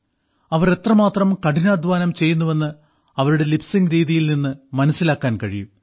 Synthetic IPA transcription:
ɐʋɐre̞t̪rɐmaːt̪rɐmkɐʈinaːd̪ʱʋaːnɐmt͡ɕe̞jːunːuʋe̞nːɨ | ɐʋɐɾuɽe̞lipsiŋɡɾiːðijilninːɨmɐnɐsːilaːkːaːnkɐɻiju

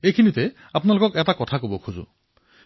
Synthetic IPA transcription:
ejkʰinitɛ | apʊnalokɔkɛtakɔtʰakobɔkʰuzʊ̰

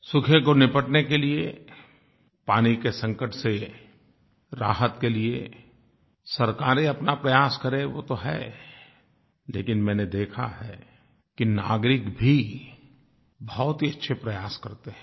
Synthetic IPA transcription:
sʊkʰekonɪpəʈnekelie | paːnikesɐ̃ŋkəʈse | ɾaːɦət̪kelie | sɐɾkaːɾeɐpnapɾɐjaːskɐɾẽʋot̪oɦɛ̰ː | lḛːkɪnmɛ̃ːned̪eːkʰa̰ɦɛː | kina̰ːɡɾɪkbʱi | bɔɔːt̪ɦiɐtːʃʰepɾɐjaːskɐɾt̪eɦɛ̃

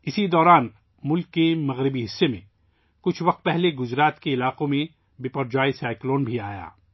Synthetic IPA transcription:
ɪsid̪ɔːɾaːn | mʊlkːemɐɣɾɪbiɦɪsːemḛ̃ | kʊt͡ʃʰʋɐq̚t̪̚pɛɦleɡʊd͡ʒɾaːt̪keɪlaːqõmẽ | bɪpɐɾd͡ʒaːisaːɪkloːnbʱiaːja̰ː

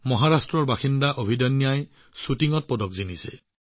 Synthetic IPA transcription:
mɔɦaɹastɹɔɹbaxind̪aʔobʱidɔnːjaj | sutiŋɔt̪̚pɔdɔkzinise

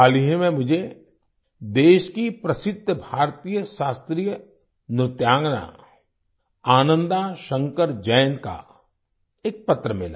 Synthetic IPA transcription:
aːliɦẽmẽmʊd͡ʒʱe | d̪eːʃkipɾɐsɪd̪ʱːəbʱaːɾt̪ijəʃaːst̪ɾijə | nɾɪt̪jaːŋɡna̰ | aːnə̃nd̪aʃə̃ŋkəɾd͡ʒəːnka̰ | eːk̚pɐt̪ːɾəmɪla̰ː

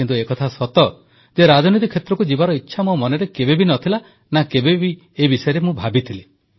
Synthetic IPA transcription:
int̪uekɔt̪ʰasɔt̪ɔ | d͡ʒeɾad͡ʒɔnit̪̬ikʰːet̪ɾɔkud͡ʒibaɾɔitːʃʰamomɔneɾekebebinɔt̪ʰila | nakebebi | ebisɔjɔɾemũbʱabit̪ʰile

